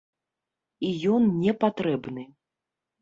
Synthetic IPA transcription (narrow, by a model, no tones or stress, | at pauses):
ijɔnnʲɛpat̪ɾɛbnɨ